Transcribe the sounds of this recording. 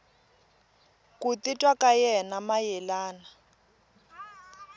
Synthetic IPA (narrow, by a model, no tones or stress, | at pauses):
kut̪itʼwakajɛnamajɛlaːna